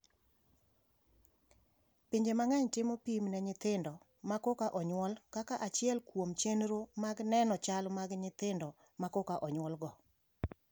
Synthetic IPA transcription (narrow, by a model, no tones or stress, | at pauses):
piɲd͡ʒemaŋaɲtɪmopimnɛɲɪt̪ɪndɔ | makɔkaʔɔɲwɔlkakaʔat͡ʃɪɛlkwomt͡ʃenɾomaɡnɛnɔt͡ʃalmaɡɲɪt̪ɪndɔ | makɔkaʔɔɲwɔlɡɔ